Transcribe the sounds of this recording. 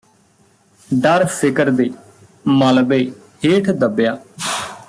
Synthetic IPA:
ɖəɾsɪkəɾd̪eː | məlbeː | heːʈʰd̪əbjaː

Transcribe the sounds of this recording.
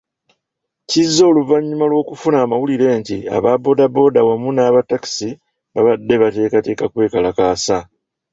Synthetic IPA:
cizːo̞ːluvaɲːumalwo̞ːkufunaːmawuliɾe̞ːntia̰βabo̞ːdabo̞ːdawamunaːβatːaki̥si | βaβadːe̞βate̞ːkate̞ːkakwe̞ːkalakaːsa

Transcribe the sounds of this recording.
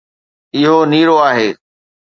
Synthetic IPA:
ɪɦoniːɽoaːɦeː

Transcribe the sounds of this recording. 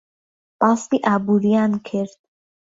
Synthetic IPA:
past̪iʔabuɾiankʰeɾd̪̥̚

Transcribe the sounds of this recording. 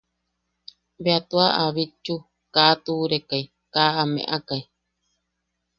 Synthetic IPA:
beat̪uaʔaβit͡ʃːu | kat̪uːɾekai | kaːamḛ̃ʔakai

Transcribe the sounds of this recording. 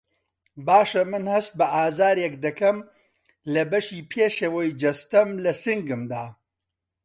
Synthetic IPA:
baːʃɐmɨnhɐst̪̚bɐʔaːzaːɾjɛkd̪ɐkɐm | lɐbɐʃiːpʰeːʃewɐjd͡ʒɐst̪ɐmlɐsɨŋɡɨmd̪aː

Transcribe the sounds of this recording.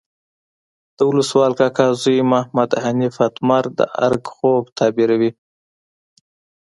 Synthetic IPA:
d̪̥əwʊləswɑlkɑkɑzujmahmad̪hanifat̪maɾd̪ə̰ʔa̰ɾɡxobt̪ʰɑbiɾawi

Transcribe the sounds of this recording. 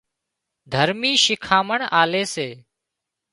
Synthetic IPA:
d̪ʱəɾmiːʃɪkʰaːməɳaːleːseː

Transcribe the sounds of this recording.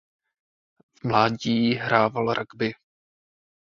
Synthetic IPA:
vmlaːɟiːɦɾaːvalɾʔaɡbɪ

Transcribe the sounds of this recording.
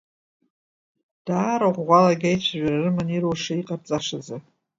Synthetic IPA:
d̥aːɾaʁʷʁʷalaɡʲajt͡ɕʷʰaʒʷᶣararɨmaniɾwʂaiqʼart͡sʼaʂad͡za

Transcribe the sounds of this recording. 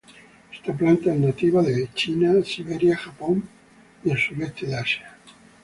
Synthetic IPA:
e̥st̪aplant̪aenat̪iβaðet͡ʃinasiβeɾjaxapon | ielsulest̪eðasja

